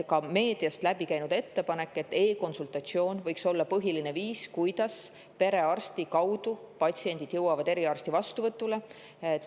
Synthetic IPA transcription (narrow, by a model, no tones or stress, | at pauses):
kɑme̞ːd̪̥iɑst̪læbikæjnud̪̥e̞t̪ːe̞pɑne̞kːˑe̞t̪ːe̞ːko̞nsult̪ˑɑt̪sio̞ːnvɤ̞jkso̞lːɑpɤɦiline̞viːskujd̪̥ɑs | pe̞ɾe̞ɑrst̪ikɑwd̪̥upɑt̪ʲsie̞nʲd̪̥id̪̥jɤwɑvɑd̪eɾiɑrst̪ivɑst̪uvɤt̪ˑːule̞